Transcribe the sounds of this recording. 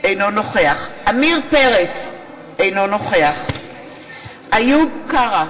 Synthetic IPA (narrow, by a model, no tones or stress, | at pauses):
ejnono̞χeaχʔamiʁpeʁet͡s | ejnono̞χeaχ | ajukaʁa